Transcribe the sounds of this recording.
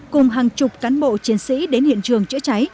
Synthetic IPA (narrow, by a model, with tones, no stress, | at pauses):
kʊ˨˩ŋ͡mɦaː˨˩ŋt͡ɕʊ˨˩k͡p̚kaː˨˦nɓo̰˧˨t͡ɕi˨˦ənsḭ˧˥ɗe˨˦nhḭ˧˨ənt͡ɕɨ˨˩əŋt͡ɕɨ̰˧˥t͡ɕa˨˦j